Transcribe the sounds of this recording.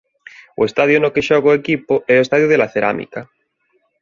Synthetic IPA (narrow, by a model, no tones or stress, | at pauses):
oest̪aðjonokeʃoɣoekipoɛoest̪aðjoðelaθeɾa̰mḭka